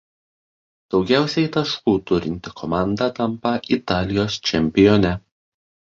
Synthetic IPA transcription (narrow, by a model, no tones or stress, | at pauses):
d̪̥ɒʊɡʲæˑʊsʲɛɪt̪ɐʃkuːt̪ʊɾʲɪnʲt̪ʲɪkʰɔmɑˑnd̪ɑt̪ɐmˑpɐʔit̪ɑːlʲɪjoːst͡ʃʲɛmʲpʲɪjɔnʲɛ